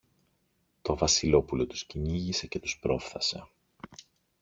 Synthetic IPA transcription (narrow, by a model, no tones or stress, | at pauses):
t̪o̞vɐsilo̞pulo̞t̪u̥sciniʝise̞ce̞t̪uspɾo̞fθɐse̞̰